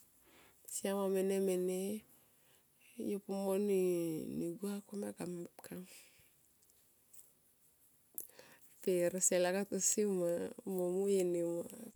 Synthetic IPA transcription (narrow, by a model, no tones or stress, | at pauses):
siamamenemene | jopumoniniɡuakomakamkʰaŋ | feɾselakatusimamomujenima